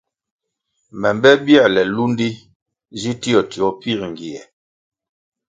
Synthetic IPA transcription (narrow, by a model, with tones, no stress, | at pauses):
mɛ˨mbɛ˦bjɛ˦˨lɛ˨lu˦n˦di˦ | zi˦ti˦ɔ˨ti˨ɔ˨˦pi˦ɾŋ˨ɡi˨ɛ˨